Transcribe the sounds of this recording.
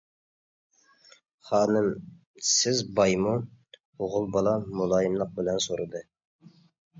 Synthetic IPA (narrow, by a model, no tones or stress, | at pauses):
χɑːnɨm | sɪzbɑjmu | oʁʊlˠbɑlˠɑmulˠɑːjimlˠəq̚bɪlɛnsoɾɨd̪ɨ